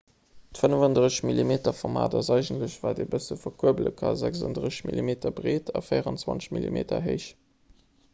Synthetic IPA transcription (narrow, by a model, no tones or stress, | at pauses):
tfənəvɑndʁəɕmilimeːtɐfɔʁma̰ːdɑzɑɪʒəntləɕvaːdebəsəfɐkʰuəblə̰kʰɑ̰zæksɑ̰ndʁəɕɕmilimeːtɐbʁeːtʰɑfəɪjəʁɑnt͡swɑ̰nt͡sɕmilḭmʔḛːtɐ̰ɦeɪʃ